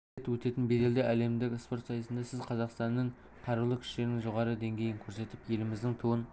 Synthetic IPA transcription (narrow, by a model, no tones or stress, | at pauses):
et̪wɵt̪e̞t̪ɪnbe̞d̪e̞ld̪eʔæle̞md̪ɪkʲspo̞ɾt̪sɑjəsənd̪ɑsɪzqʰɑzɑqst̪ɑnːeɴ | qʰɑɾəlˠəkʲʰʏ̥ʃe̞ɾnɪŋʒoʁɑɾəd̪e̞ŋɡʲe̞jɪŋkʲʰɵɾse̞t̪ɪpje̞lɪmɪzd̪ɪŋt̪ʰuwən